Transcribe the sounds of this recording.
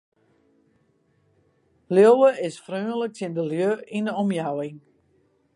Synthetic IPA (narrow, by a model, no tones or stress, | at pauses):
ljowəɪsfrøːnlək̚tɪndəljøinəɔmjawɪŋ